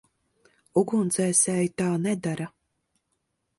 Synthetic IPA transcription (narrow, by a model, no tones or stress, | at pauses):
uɡunt̪sɛːsʲɛjit̪aːnɛd̪aɾa